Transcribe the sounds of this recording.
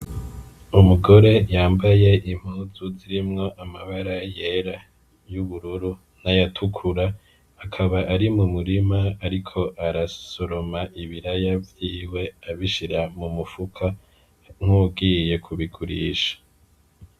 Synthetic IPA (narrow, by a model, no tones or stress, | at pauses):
umuɡo̞ɾe̞jaːmbaje̞ʔim̥huːzuziɾimŋo̞ʔamaβaɾaje̞ɾa | juβuɾuɾu | najatʰukʰuɾaː | kʰaβaʔaɾimumuɾimaːɾikʰo̞ʔaɾasoɾo̞maʔiβiɾajavjiːwe̞aβiʃiɾamumufukʰa | ŋ̥hubɡije̞kʰuβiɡuɾḭːʃḁ